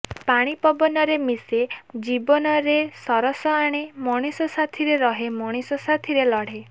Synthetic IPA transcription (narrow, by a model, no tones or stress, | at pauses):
paɽ̃ipɔbɔnɔɾemised͡ʒibɔnɔɾesɔɾɔsɔaɽ̃emɔɽ̃isɔsat̪ʰiɾeɾɔɦemɔɽ̃isɔsat̪ʰiɾelɔɽ̤e